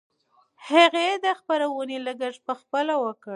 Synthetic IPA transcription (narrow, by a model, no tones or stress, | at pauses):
haɣed̪əxpaɾawəneləɡəʐpəxpəlawəkə